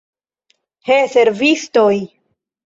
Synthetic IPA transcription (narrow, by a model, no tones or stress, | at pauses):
hese̞ɾvisto̞j